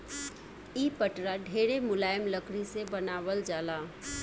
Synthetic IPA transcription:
iːpəʈɾaɖʱeːɾemʊlaːjəmləkʰɽisebɐnaːʋəld͡ʒaːlaː

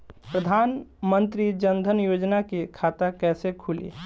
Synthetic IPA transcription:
pɾəd̪ʱaːnmənt̪ɾid͡ʒənd̪ʱənjod͡ʒnakekʰat̪akɛːsekʰulḭ

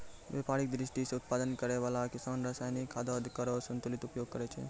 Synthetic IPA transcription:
ʋepaɾik̚d̪ɾɪsʈiseʊt̪̚pad̪ənkəɾeʋalakɪsanɾəsaːjnikʰːad̪ɔd̪kəɾɔsə̃nt̪ulit̪upjoɡ̚kəɾɛt͡ʃʰɛ̰

